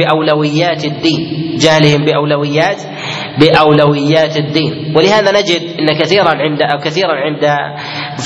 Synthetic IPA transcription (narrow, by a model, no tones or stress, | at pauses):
ɪʔawlawɪjːaːt̪ɪd̪ːiːnd͡ʒahlɪhɪmbɪʔawlawɪjːaːt̪ | bɪʔawlawɪjːaːt̪ɪd̪ːiːnwɪlɪhaːðanad͡ʒɪd̪ʔɪnːakaθiːɾˤɑnʕɪnd̪aʔawkaθiːɾɑnʕɪnd̪a | f